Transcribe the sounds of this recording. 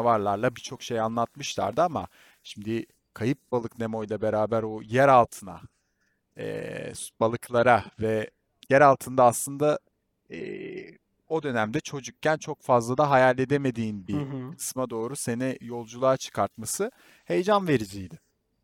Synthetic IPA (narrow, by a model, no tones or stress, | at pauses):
vaɾlˠaɾlˠabit͡ʃʰo̞kʃe̞janlˠat̪̚mɯʃlˠa̰ɾd̪ɯama̰ | ʃimd̪ɪ | kʰajɯp̚balˠɯkne̞mo̞jlˠabe̞ɾaːbæɾojæɾalˠt̪ʰɯna̰ | ɛ̰b̥alˠɯklˠaɾavɛ | jæɾalˠt̪ʰɯnd̪aːslˠɯnd̪a | ɛ̰ː | o̞d̪ø̞næmd̪ɛt͡ʃʰo̞d͡ʒuk̚cːænt͡ʃʰo̞kfazlˠad̪aɦajalʲːe̞d̪e̞me̞d̪iːnbiɦkʰɯ̥smad̪o̞ːɾuse̞nijo̞lˠd͡ʒulˠaːt͡ʃʰɯ̥kʰaɾt̪̚masɯ | he̞jd͡ʒanve̞ɾid͡ʒijd̪ɪ